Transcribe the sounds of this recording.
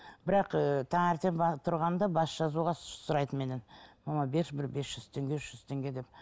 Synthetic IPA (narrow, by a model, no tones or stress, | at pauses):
bɪɾɑqət̪ʰɑɴæɾt̪ʰembɑt̪ʰʊɾʁɑnd̪ɑbɑsʒ̥ɑzuʁɑssʊɾɑjt̪ənme̞nenmɑmɑbeʃbɪɾbe̞sʒ̥ʏz̥t̪ʰe̞ŋɡʲeʃʒ̥ʏz̥t̪ʰe̞ŋɡʲe̞d̪e̞p̚